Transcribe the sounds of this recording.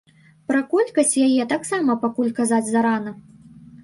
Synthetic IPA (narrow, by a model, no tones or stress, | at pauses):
pɾɐkɔlʲkɐsʲt͡sʲjajɛt̪aksamɐpakulʲkazad͡zʲzaɾanɐ